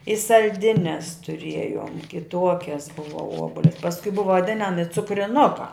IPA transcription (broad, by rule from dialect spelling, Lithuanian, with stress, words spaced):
ɪ sɐlʲˈdʲɪnʲɛs tʊˈrʲiɛjoːm kʲɪˈtuɔkʲɛs ˈbʊʋɐ ˈuɔbʊlʲɛ pɐsˈkʊɪ ˈbʊʋɐ ʋɐˈdʲɪnɐmʲɪ t͡sʊkrʲɪˈnʊkɑː